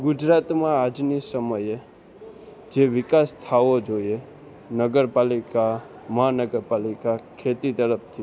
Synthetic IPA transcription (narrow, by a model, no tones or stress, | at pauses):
ɡʊd͡ʒɾat̪mãad͡ʒnisəməje | d͡ʒeʋɪkast̪ʰaʋod͡ʒoie | nəɡəɾpalika | məɦanəɡəɾpalikakʰet̪it̪əɾəpt̪ʰi